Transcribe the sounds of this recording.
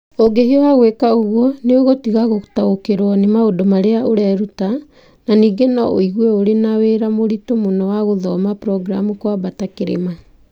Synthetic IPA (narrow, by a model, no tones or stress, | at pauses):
oɡehiɔwaɣwekaoɣwɔneoɣotiɣaɣotaokeɾwɔnemaodomaɾeaoɾɛɾuta | naniːɡenɔo̰iɣwɛoɾenaweɾamoɾitomonɔwaɣoðɔmapɾɔɡɾa̰mukwabatakeɾḛma